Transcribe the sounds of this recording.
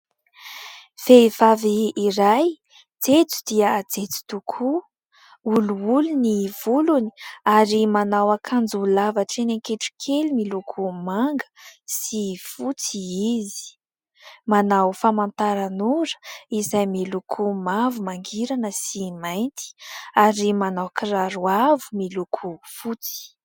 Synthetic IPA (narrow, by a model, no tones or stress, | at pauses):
fevaviːɾaj | d͡zet͡su̥d̪iəad͡zet͡su̥t̪ukʰu | uluuluniv̥uluni̥aɾimanawakʰand͡zuulavaʈ͡ʂenaŋkeʈ͡ʂu̥kʰelimilukʰumaŋɡə̥sifut͡siizi̥ | manawfamant̪aɾanuɾə̥izajmilukʰumavumaŋɡiɾanəsimajnt̪i̥aɾimanawkiraɾuavumilukʰufut͡si̥